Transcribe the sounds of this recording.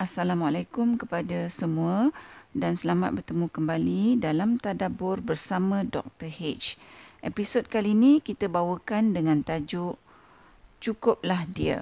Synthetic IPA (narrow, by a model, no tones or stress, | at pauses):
ʔasalamwalakʊmkəpadasəmũədansəlama̰t̪̚bərt̪əmũkəmbalidalamt̪adabʊrbərsamãdɔ̰k̚t̪ərhet͡ʃʔepisod̚kaliːnĩkit̪əbawəkandəŋãnt̪ad͡ʒʊʔ | t͡ʃukʊp̚lahdiə̰